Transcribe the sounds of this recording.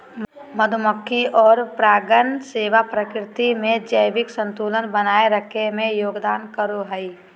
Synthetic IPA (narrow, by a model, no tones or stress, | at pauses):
məd̪ʱʊməkʰːiʔɔːɾpɾaːɡənseːʋapɾəkɾɪt̪imẽd͡ʒəjʋɪksə̃nt̪uːlənbənaːeɾəkʰemẽjoːɡd̪aːnkəɾoɦəi